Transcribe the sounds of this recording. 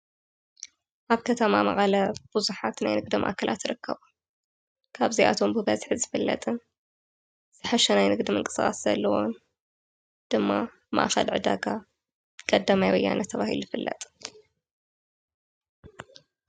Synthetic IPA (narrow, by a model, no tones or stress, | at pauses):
ʔaβkʰɐt̪ʰɐmamɐ̰χʼɐlɐb̥uzuħat̪najnɨɡ̚d̪ɐmʔa̰ʔkʰɐlʔa̰t̪ɾɨkʰːɐβu | kʰaβziʔa̰t̪ʰo̞mbɨbɐzħzɨfɨlːɐ̰t̪ʼɨn | z̥ɨħɐʃɐnajnɨɡd̪imɨŋkʼɨ̥sɨxʼaszɐ̰lːɐwo̰n | d̪̥ɨmːa | ma̰ʔxɐ̰lʕɨd̪aɡa | kʼɐd̪ːamajwɐjːa̰nɐt̪ʰːɐβahḭluzɨfɨlːɐ̰t̪ʼ